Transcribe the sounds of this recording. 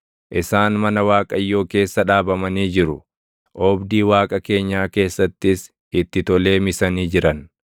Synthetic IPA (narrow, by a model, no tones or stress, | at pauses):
ʔɪsaːnmɐnɐwaːkʼɐjːo̞ːke̞ːsːɐᶑaːbɐmɐniːd͡ʒɪɾʊ | ʔɔbd̪iːwaːkʼɐke̞ːɲːaːke̞ːsːɐt̪ːɪs | ɪt̪ːɪt̪ɔle̞ːmɪsɐniːd͡ʒɪɾɐn